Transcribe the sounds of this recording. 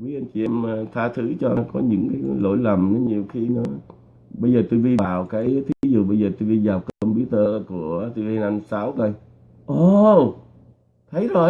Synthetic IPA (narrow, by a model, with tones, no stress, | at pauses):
vi˨˦ʔa˧ŋt͡ɕi˨˩ʔɛ˧mː˧t̪ʰaː˧t̪ʰɨ˧˥t͡ɕɔ˧˨˦kɔ˨˦ɲɨ̰˧˥ŋkaː˨˦jlo̰˧˥jlə˨˩mne˨˦ɲi˨˩əwxi˧nɨ̰˧˦ | ɓə˧jzəː˨˩t̪u˧jvi˧ɓaː˨˩wkaː˨˦jt̪ʰi˨˦i˨˦zṵ˨˩ɓə˧jzəː˨˩t̪u˧vi˧zaː˨˩wkːkɔ˧mpɓi˧˦t̪əː˧ku˧˩ət̪i˧vi˧na˧nsaː˨˦wt̪o˧j | ʔo˨ | t̪ʰə˨˦jzo˨˩